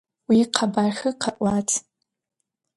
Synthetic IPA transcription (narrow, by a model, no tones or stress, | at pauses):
wiqʰabarxɨqʰaʔʷʼatʰʼ